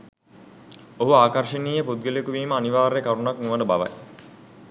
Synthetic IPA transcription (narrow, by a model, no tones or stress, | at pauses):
oɦuaːkarʂəniːjəpud̪̚ɡelekuʋiːməaniʋaːɾjekaɾunaknuʋəɖəbaʋa̰j